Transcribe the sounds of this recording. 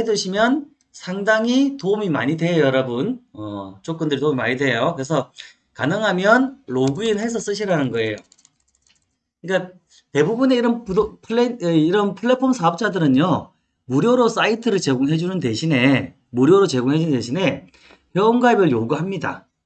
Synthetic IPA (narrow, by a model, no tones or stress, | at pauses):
edɯɕʰimjʌn | sʰaŋdaŋitoumima̰ɲidwe̞jʌɾʌbɯnʌt͡ɕok͈ʌndɯɾitoumimaɲidwe̞jokɯɾe̞s̬ʰʌ | kanɯŋɦamjʌnɭoɡɯinɦe̞s̬ʰʌs͈ɯɕʰiɾanɯnɡʌe̞jo | ik͈a | te̞bubune̞iɾʌnpudopʰɯɭeiɾʌnpʰɯɭːepʰonsʰaʌp̚t͡ɕ͈adɯɾɯnjo | muɾjoɾos͈aitʰɯɾɯɭt͡ɕe̞ɡoŋɦe̞d͡ʑunɯnde̞ɕʰine̞ | muɾjoɾot͡ɕe̞ɡoŋɦe̞d͡ʑunnde̞ɕʰine̞ | pjʌonɡaibɯɭjoɡuɦamɲida̰